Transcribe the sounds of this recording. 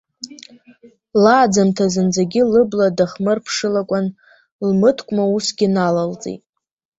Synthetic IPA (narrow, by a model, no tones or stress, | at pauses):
laːd͡zamtʰazɨnd͡zaɡʲɪlɨbladaχmɨrpʰʂɨlakʷʼan | lmɨtʰkʷʼmausɡʲɪnalalt͡sʼḭtʼ